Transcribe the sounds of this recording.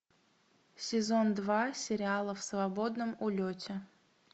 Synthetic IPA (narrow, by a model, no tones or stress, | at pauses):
sʲɪzond̪vasʲɪɾʲɪalˠəfsvɐbo̞d̪nəmʊlʲotʲɪ